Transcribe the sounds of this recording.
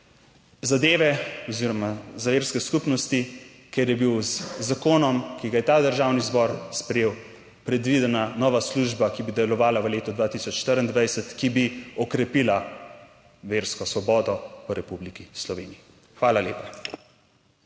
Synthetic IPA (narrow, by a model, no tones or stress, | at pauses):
zad̪eːʋɛɔziɾɔmazaʋeːɾskɛskupnɔst̪i | kɛɾjɛbiwzzakoːnɔmkiɡajɛt̪ad̪əɾʒaːwnizbɔɾspɾɛjeːw | pɾɛd̪ʋid̪ɛnanɔːʋasluʒbakibid̪ɛlɔʋaːlaʋəleːt̪ɔd̪ʋaːt̪isɔt͡ʃʃt̪əɾənd̪ʋajsɛt̪kibiɔkɾɛpiːla | ʋeɾskɔsʋɔbɔːd̪ɔpəɾɛpublikislɔʋeːnii | xʋaːlaleːpa